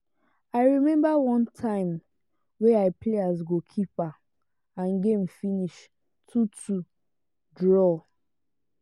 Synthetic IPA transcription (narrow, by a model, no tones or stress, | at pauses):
aɪɹimɛ̃mbawɔ̃ntʰãɪ̃m | weaɪpleazɡokʰipa | ãnɡẽm̩finiʃ | tʰutʰu | dɹɔ